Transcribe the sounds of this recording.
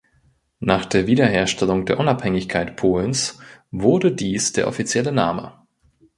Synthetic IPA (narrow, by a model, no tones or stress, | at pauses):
naːχd̥eːɐviːdɐɦeːɐʃtʰɛlʊŋdeːɐʔʊnaphɛŋɪçkʰaɪtpʰoːlnsvʊɐdədiːsd̥eːɐʔɔ̰fit͡sjɛlənaːmə̰